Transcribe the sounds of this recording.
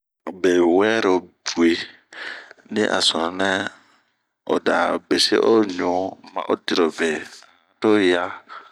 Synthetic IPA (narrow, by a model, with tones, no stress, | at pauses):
be˨wɛ˦ɾo˨bu˨e˨ | nḭ̃˦ʔa̰˨sɔ˨˦nɛ˦ | o̰˨da˨be˨sḛ˦ʔo˦ɲɔ̃˨˦mã̰˨ʔo˦di˨ɾo˨be˨a˨˦to˦ja˦